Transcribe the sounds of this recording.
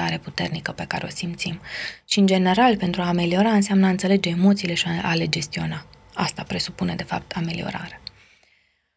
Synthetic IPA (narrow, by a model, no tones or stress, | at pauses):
aɾe̞put̪e̞rnikəpe̞ka̰ɾe̞o̞̰simpt̪simʃiɨnd͡ʒe̞ne̞ɾalpe̞nt̪ɾuaːme̞lio̞ɾaɨnseamnəaɨnt̪se̞le̞d͡ʒe̞ːmo̞t̪sile̞ʃiaa̰le̞d͡ʒe̞st̪io̞na | a̰st̪apɾe̞supune̞d̪e̞fa̰p̚t̪ʰame̞lio̞̰ɾa̰ɾe